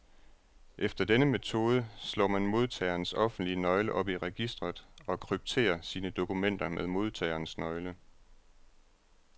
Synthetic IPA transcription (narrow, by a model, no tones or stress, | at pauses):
ʔefd̥ɐd̥enəme̝t͡sʰo̝ːð̞ˠəslɔ̰ːmænmo̝ð̞ˠt͡sʰɛ̰ːɐnsɒ̽fn̩d̥liənɒ̽ɪləʔɒ̽b̥iʁɛɡ̥isd̥ʁɐð̩ˠɒ̽kʰʁyb̥̚t͡sʰe̝̰ːɐsiːnəd̥o̝kumen̰d̥ɐmeðˠmo̝ð̞ˠt͡sʰɛ̰ːɐnsnɒ̽ɪlə